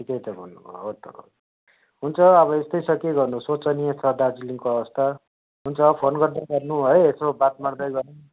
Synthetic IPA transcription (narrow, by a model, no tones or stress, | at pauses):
ʈʰikʌjt̪ʌbʱʌnːubʱo̰ɦot̪oɾo̰ | ɦunt͡sʰʌːβʌest̪ʌjsʌkiɡʌrnusot͡sʌniet͡sʰʌɖad͡ziliŋkoʌbʌst̪ʰa | ɦunt͡sʰʌːʌpʰonɡʌrd̪aɡʌrnuɦoeesobat̪maɽd̪ʌjɡʌrnu